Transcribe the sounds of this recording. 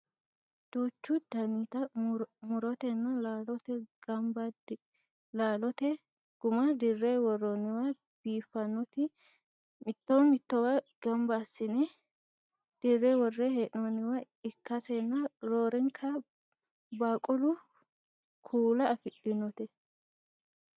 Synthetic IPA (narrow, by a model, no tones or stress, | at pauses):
d̪̥uːt͡ʃːʊd̪̥ɐnit̪ɐmʊɾɔt̪ɛnːɐlaːlɔt̪ɛɡ̥ɐmbɐd | laːlɔt̪ɛ | ɡ̥ʊmɐd̪ɪrːɛwɔrːɔnɪwa | b̥iːfːɐnːɔt̪ɪ | mɪt̪ːoɔmɪt̪ːɔwaɡ̥ɐmbasːɪnɛ | d̪̥ɪrːɛwɔrːɛheʔnɔnɪwɐ | ɪkːɐsɛnːɐɾoːɾɛŋkʰɐ | baːkʼʊlʊ | kʰuːlɐɐfɪɗɪnɔt̪ɛ